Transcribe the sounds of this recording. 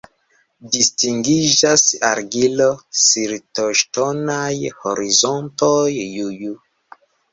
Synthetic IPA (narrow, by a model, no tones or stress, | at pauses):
distiŋɡiʒasaɾɡilosiɾtoʃtonajhoɾizontojjuju